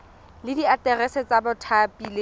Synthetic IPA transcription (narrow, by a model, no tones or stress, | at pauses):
lɪdiatɛrɛset͡sabʊtʰapʼile